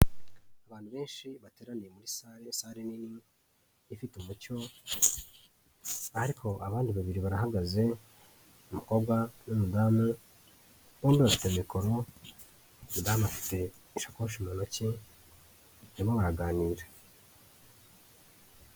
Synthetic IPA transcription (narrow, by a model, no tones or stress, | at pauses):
aβaːnhuβe̞ːnʃiβateːɾaniemuɾisaɾesaːɾeniniː | fitumuco̞ | aɾikʰo̞ʔaβaːndiβaβiɾiβaɾaɦaɡaze̞ | umuko̞bɡwanumudaːma | βoːmbiβafitemiko̞ɾo | umudaːmafi̥te̞ | iʃakoʃimonoci | imoβaɾaɡaːniːɾa